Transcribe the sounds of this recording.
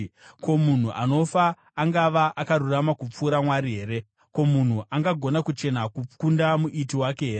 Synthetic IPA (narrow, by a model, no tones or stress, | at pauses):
ko̞mun̤uʔano̞faː | ŋɡaʋaʔakaɾuramakup͡fuːɾamwaɾiɦe̞ːɾe̞ | ko̞mun̤uʔaŋɡaɡʱo̞nakut͡ʃe̞nakukundamuʔitiwakeɦeːree